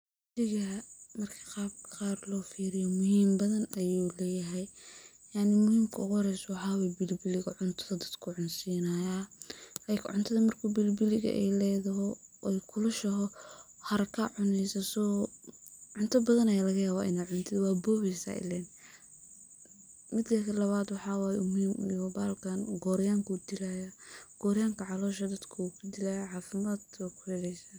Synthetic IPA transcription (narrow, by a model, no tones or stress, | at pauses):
dɪɣɐmɐrkʰɐ̥qɑːb̚qɑːrlɔːfiːɾɪjɔmʊhiːmbɐðɐnɐjuːlɛːjɐɦɛj | jaʕnɪmʊhiːmkʰɐʊɣɾɛswɑħaːwɛbɪlbɪlɪɣɐʕʊnt̪ʰɐðɐd̪ɐd̪̥kʰʊʕʊnsiːnɐjaːlaːjkʰʕʊ̰nt̪ʰɐðɐmɐrkʰubɪlbɪlɪɣɐ̰ʔɛ̰jlɛːðɐɦɔɛjkʰʊlɐʃɐɦɔ | hɐɾɐkʰaʕʊnɛjsɐsɔː | ʕʊnt̪ʰɐbɐðɐnɐjalɐɣɐjaːβɔʔɪ̰naːʕʊnt̪ʰɪdwɑːbɔːβɛjsa̰ːʔɪ̰lɛːn | mɪd̪kʰɐkʰɐlɐβaːd̪wɑħɑːwaːjʊmʊhiːmɔbaːlkʰɐnɡɔːɾjaːŋkʰud̪ɪlajaɡ̥ɔːɾjaːŋkʰɐʕɑlɔːʃɐd̪ɐd̪kʰɐukʰʊd̪ɪlaːjaʕɑːfɪmaːd̪ɔkʰʊhɛlɛjsaː